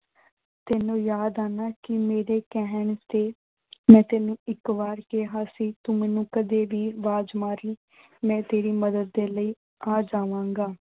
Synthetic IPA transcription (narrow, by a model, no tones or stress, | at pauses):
t̪eːnũːjaːd̪aːnaːkɪmeːɾeːkɛɦəɳt̪eː | mɛ̃ːt̪eːnũːɪkʋaːɾkeɦaːsiːt̪umɛ̃ːnũːkəd̪eːʋiːʋaːd͡ʒmaːɾiː | mɛ̃ːt̪eːɾiːməd̪əd̪̚ːeːləiː | aːd͡ʒaːʋãːŋɡaː